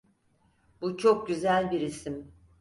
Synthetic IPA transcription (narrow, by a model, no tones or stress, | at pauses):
b̥ut͡ʃʰo̞k̚ɟyzælʲbiɾisim